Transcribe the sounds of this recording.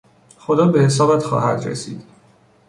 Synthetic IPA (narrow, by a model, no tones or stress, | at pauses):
xod̪ɒːbe̞he̞s̬ɒːbæt̪xɒ̰ːhæ̰d̪ɾḛsḭːd̪̥